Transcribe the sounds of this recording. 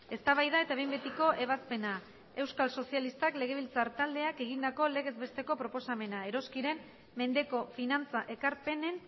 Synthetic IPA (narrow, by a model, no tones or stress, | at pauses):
e̞st̪aβajðae̞t̪aβe̞jmbe̞t̪iko̞ʔe̞β̞aspe̞na | e̞wskalso̞sialist̪akle̞ɣ̞e̞βilt͡saɾt̪ald̪e̞ake̞ɣ̞ind̪ako̞le̞ɣ̞e̞zβe̞st̪e̞ko̞pɾo̞po̞same̞nae̞ɾo̞skiɾe̞m | me̞nd̪e̞ko̞finant͡saʔe̞kaɾpe̞ne̞n